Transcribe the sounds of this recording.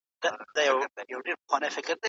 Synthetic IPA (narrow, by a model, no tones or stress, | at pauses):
d̪̥ad̪ajawjawɖeɾpəxwɑnəjfɪkɾd̪e